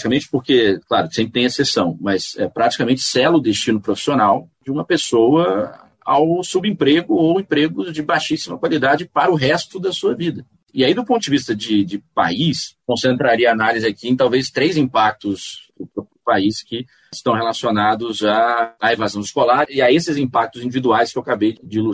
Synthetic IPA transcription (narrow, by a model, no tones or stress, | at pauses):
t͡ʃi̥kamẽnt͡ʃɪ̥poɾkeklaɾʊsẽmp̬ɾɪt̪ẽesesɐ̃w̃mɐsɛ̰pɾat͡ʃi̥kamẽnt͡ʃɪ̥sɛlʊd̪est͡ʃĩnʊpɾofi̥sionawd͡ʒɪũmɐpesowɐ | a̰wsubẽpɾeɡʊowẽpɾeɡʊzd͡ʒɪbajʃisimɐkwalid̪ad͡ʒɪpaɾɐʊɦɛst̪ʊd̪ɐsuɐvid̪ɐ | ɪaid̪ʊpõt̪ʊd͡ʒɪvist̪ɐd͡ʒɪd͡ʒɪpa̰iskõsẽnt̪ɾaɾiɐanalizɪakiẽt̪awvest̪ɾejzĩpak̚t̪ʊspɾʊpɾʊpɾʊpaiskɪ | ɪst̪ɐ̃w̃helasionad̪ʊzaːevazɐ̃w̃ɪskolaɾɪaesɪzĩpak̚t̪ʊzĩnd͡ʒivid̪uajskɪewakabejɪd͡ʒɪlu